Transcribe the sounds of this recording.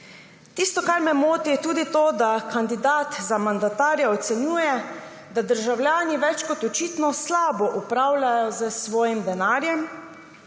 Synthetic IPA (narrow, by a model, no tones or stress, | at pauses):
t̪ist̪ɔkaɾmɛmoːt̪it̪uːd̪it̪oːd̪akand̪id̪aːt̪zamand̪at̪aːɾjɛɔt̪sɛnjuːjɛ | d̪ad̪əɾʒawlʲjaːniʋɛt͡ʃkɔt̪ɔt͡ʃiːt̪nɔslaːbɔʔupɾaːwlʲajɔzəsʋɔːjimd̪ɛnaːɾjɛm